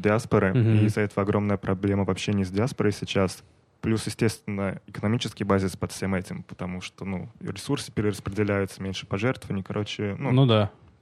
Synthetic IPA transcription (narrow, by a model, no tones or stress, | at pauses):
dʲɪaspəɾɨizɐɛt̪əvəɐɡɾʔo̞mnəjəpɾʔɐblʲe̞məvɐpɕːenʲɪzdʲɪaspəɾəjsʲɪt͡ɕas | plʲusjɪsʲtʲe̞st̪vʲɪnːəɪkənɐmʲit͡ɕɪskʲɪjbazʲɪspɐt̪fʲsʲe̞mɛtʲɪmpə̥t̪ɐmuʂt̪onuɾʲɪsursɨ̥pʲɪɾʲɪɾəspɾʲɪdʲɪlʲæjʊt̪sə̥mʲenʲʂɨ̥pɐʐɛrt̪əvənʲɪkɐɾʔo̞t͡ɕɪnunud̪a